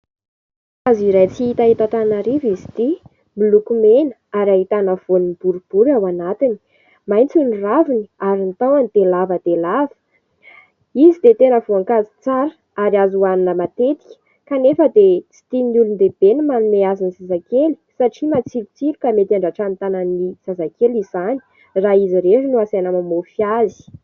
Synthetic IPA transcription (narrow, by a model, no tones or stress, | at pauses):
aziɾajt͡siit̪aɦit̪at̪anaɾivizi̥t̪i | milukumenə̥aɾaɦit̪anəv̥onib̥uɾub̥uɾawanat̪ini̥ | majnt͡suniraviniaɾint̪awanid̪̥elavəd̪̥elavə̥ | izid̪et̪enəvoaŋkazi̥t͡saɾə | aɾiazuaninəmat̪et̪i̥kʲə̥ | kanefəd̪et͡si̥t̪inulund̪eb̥enimanumeazinisazakeli̥saʈ͡ʂimat͡silut͡silukamet̪iaɳɖ͡ʐaʈ͡ʂanit̪anənisazakelizizani̥ | raiziɾeʈ͡ʂinuasanəmamofjazi̥